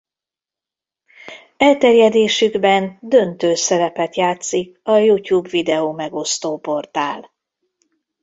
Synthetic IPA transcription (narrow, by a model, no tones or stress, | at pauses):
ɛlt̪ɛrjɛd̪eːʃyɡbɛnd̪ø̞nt̪øːsɛɾɛpɛt̪jaːt̪sikɒjuːcuːbvid̪ɛoːmɛɡo̞st̪oːpo̞rt̪aːl